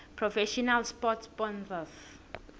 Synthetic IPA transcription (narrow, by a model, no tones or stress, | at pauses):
pʰɹɔfɛʃɔnalspɔtbɔ̃nvas